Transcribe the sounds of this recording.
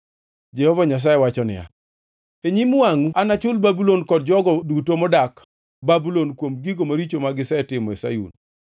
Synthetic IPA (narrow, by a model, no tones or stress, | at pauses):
d͡ʒɛhɔvaɲas̬ajewat͡ʃɔnɪ̰ja̰ | eɲimwaŋuanat͡ʃʊlbabulonkɔd̚d͡ʒɔɡɔdutomɔdak | babulonkwomɡiɡomaɾit͡ʃomaɡɪsɛtɪmɔesa̰jṵn